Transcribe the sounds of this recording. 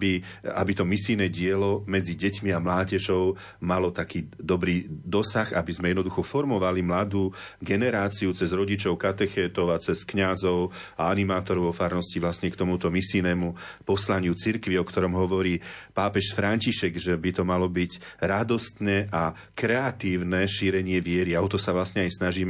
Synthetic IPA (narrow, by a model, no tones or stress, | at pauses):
biabit̪ɔmisijnɛɟɪɛlɔmɛd͡ziɟɛcmiamlaːɟɛʒɔʊ | malɔt̪akiːd̪ɔbɾiːd̪ɔsaxabizmɛjɛd̪nɔd̪uxɔfɔɾmɔʋalimlad̪uːɡɛnɛɾaːt͡siut͡sɛzɾɔɟit͡ʃɔʊkat̪ɛxɛːt̪ɔʊat͡sɛskɲazɔʊaanimaːt̪ɔɾɔʊɔfaːɾnɔsciʋlasɲɛkt̪ɔmut̪ɔmisinɛːmupɔslaɲɪut͡siɾkʋiɔkt̪ɔɾɔmɦɔʋɔɾiːpaːpɛʃfɾaɲciʃɛɡʒɛbit̪ɔmalɔbiɟɾad̪ɔst̪nɛʔa | kɾɛat̪iːʊnɛʃiɾɛɲɪɛʋɪɛɾiaɔt̪ɔsaʋlasɲɛajsnaʒiːm